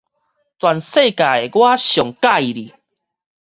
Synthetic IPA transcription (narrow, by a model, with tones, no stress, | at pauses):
t͡swa˨nse˥˧˨ka˨e˨˩ɡwa˦ɕjɔ˨˩ŋka˥˧i˨ɾi˨